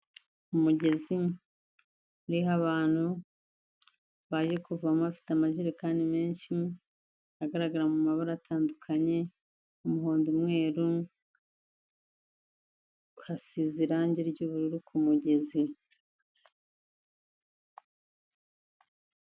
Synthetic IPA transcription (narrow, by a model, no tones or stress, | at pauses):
umuɟe̞zi | ɾiɦaβaːn̥hu | βaːʒe̞kuvuamuβafi̥tamaʒiɾekaːndime̞ːɲʃi | aɡaɾaɡaɾamumaβaɾatʰaːndukʰaɲe̞ | umuɦoːndumŋe̞ːɾu | hasiziɾaɲɟeɾɟuːβuɾuɾukʰumuɟe̞zi